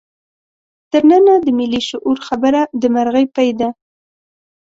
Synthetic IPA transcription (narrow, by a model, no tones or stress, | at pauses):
t̪əɾnənad̪əmɪliʃʊʔuɾxabəɾad̪əmaɾɣəjpajd̪a